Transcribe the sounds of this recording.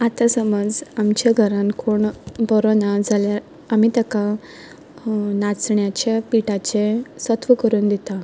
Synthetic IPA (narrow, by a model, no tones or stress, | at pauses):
at̪asəməd͡zamt͡ɕaɡʱəɾãnkoɳbɔɾonad͡zʱaljaɾ | amiːt̪əka | nat͡sɳjat͡ɕapiʈat͡ɕesət̪ʋəkəɾuːnd̪it̪a